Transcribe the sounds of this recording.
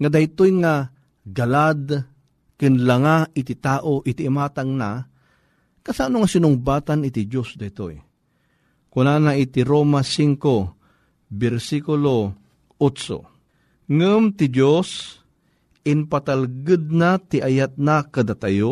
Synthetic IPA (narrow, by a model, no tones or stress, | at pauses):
ŋad̪ajt̪ojŋa | ɡalad̪ | kɨnlaŋaʔɪt̪ɪt̪aːʔoʔɪt̪iːmaːt̪aŋna | kasanoŋasɪnʊŋbaːt̪anɪt̪ɪd͡ʒosd̪ajt̪o̰j | kʊnaːnait̪ɪɾoːmasiŋko | bɛɾsikʊlo | ʔot͡ʃo̰ | ŋɨmt̪ɪd͡ʒos | ɪnpat̪alɡɨd̪̚nat̪ɪʔajat̪̚nakad̪at̪ajo